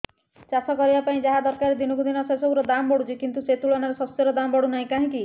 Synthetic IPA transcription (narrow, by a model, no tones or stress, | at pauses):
t͡ʃasɔkɔɾibapaĩd͡ʒaɦad̪ɔɾkaɾed̪inɔkud̪inɔsasobuɾɔd̪ambɔɽut͡ʃʰikint̪uset̪uɭɔnaɾesɔst̪jɔɾɔd̪ambɔɽunaɦĩkaɦĩki